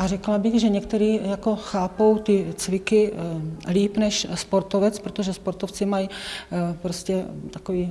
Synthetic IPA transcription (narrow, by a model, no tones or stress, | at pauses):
ʔarɛklabɪɣʒɛɲɛkt̪ɛɾiːjako̞xaːpo̞wt̪ɪt͡svɪkɪliːpnɛʃspo̞ɾt̪ovɛt͡spɾot̪oʒɛspoɾt̪oft͡sɪmaj | pɾoscɛt̪akoviː